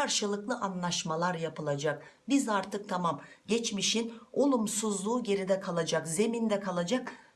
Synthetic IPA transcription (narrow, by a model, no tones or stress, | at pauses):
kaɾʃɯlˠɯklˠɯʔanlˠaʃmalˠaɾjapʰɯlˠad͡ʒak̚bizaɾt̪ʰɯk̚t̪ʰamamɟɛt͡ʃmiʃino̞lˠumsuzlˠuːɟe̞ɾid̪ɛkʰalˠad͡ʒakze̞mind̪ɛkʰalˠad͡ʒak